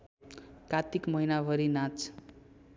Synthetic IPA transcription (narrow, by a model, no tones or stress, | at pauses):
kat̪ikmʌɦinabʱʌɾinat͡s